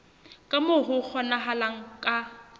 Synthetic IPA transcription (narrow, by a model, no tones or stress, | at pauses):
kʼamʊhʊk͡xʰɔnaɦalaŋ̩kʼa